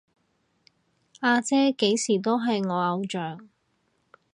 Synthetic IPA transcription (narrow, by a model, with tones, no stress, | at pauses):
aː˧t͡sɛː˥ke˨˥jsiː˨˩t̪o˥wɦɐ˨jŋɔː˨˧ɐ˨˧wt͡ʃœː˨˩ŋ